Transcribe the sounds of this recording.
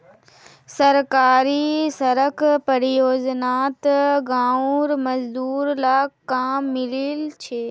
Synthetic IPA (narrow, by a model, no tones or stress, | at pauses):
sɐɾkaːɾisɐɾəkpɐɾjoːznaːt̪ɡãːuɾmɐzd̪uːɾlaːkaːmːɪlilt͡ʃʰeː